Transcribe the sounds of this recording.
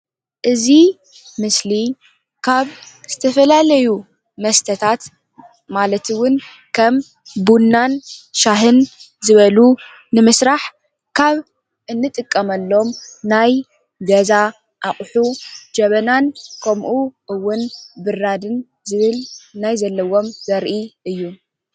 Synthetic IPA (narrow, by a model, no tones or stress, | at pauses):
ʔɨzi | mɨsli | kʰaβz̥ɨt̪ʰɐfɐlalɐju | mɐst̪ʰɐt̪ʰat̪ | malɐt̪ɨwʊn | kʰɐm | bunːanʃaɦɨn | zɨβɐlu | nɨmɨsɾaħ | kʰaβ | ʔɨnːɨt̪ʼɨkʼːɐmɐlːo̞mnaj | ɡɐza | ʔaχʼħud͡ʒɐβɐnankʰɐmʔuʔɨwːʊnbɨɾːad̪ɨn | zɨβɨlnajzɐlːɐwo̞mzɐɾʔiʔɨjːu